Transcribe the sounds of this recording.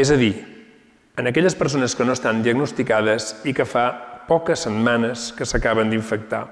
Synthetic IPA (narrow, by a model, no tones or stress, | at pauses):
ɛzəði | ənəkɛʎəspəɾs̬onəskənoəst̪and̪iəɡnust̪ikaðəzikəfapɔkəsːəd̪manəskəsəkaβənd̪iɱfək̚t̪a̰